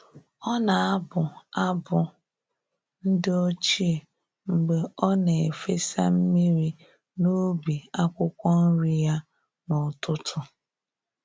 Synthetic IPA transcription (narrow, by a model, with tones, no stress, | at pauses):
ɔ˦na˨a˦bʊ˨a˦bʊ˨ | n̩˦dɪ˦o˦t͡ʃi˦e˨ | ŋ͡m̩˨ɡ͡be˨ɔ˦ne˨e˨fe˦sa̰˦m̩˦mi˦ɾi˦ | no˦bi˨a˦kʷʊ˦kʷɔ˦n̩˦ɾi˦ja˦ | nʊ˨tʊ˦tʰʊ˦